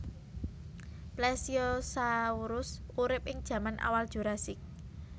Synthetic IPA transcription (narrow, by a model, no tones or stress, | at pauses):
plɛsiɔsauɾʊsuɾɪp̚ɪŋd̥ʒ̥ä̤manʔa̰wald̥ʒ̥o̤ɾasɪk̚